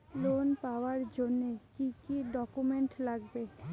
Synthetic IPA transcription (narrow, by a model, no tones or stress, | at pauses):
lonpaoaɾd͡ʑonːekikiɖɔkumeɳʈlaɡbe